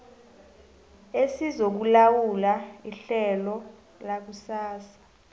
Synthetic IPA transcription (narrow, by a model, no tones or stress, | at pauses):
esizok̬ulawulaiɬɛlɔ | lak̬usaːsḁ